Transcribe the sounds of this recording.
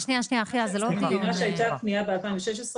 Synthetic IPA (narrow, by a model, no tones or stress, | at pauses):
ʃniaʃnijaχiazelokivinaʃeajt̪akniabealpaimveʃeʃ̬esʁ